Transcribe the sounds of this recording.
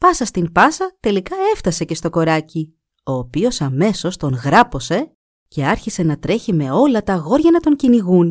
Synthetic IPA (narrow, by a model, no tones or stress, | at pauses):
pɐsɐst̪impɐsɐt̪e̞likɐe̞ft̪ɐse̞ce̞st̪o̞ko̞ɾɐci | o̞ːpio̞sɐme̞so̞st̪o̞nɣɾɐpo̞se̞ | ce̞ɐɾçise̞nɐt̪ɾe̞çime̞o̞lɐt̪ɐɣo̞ɾʝɐnɐt̪o̞ɲciniɣun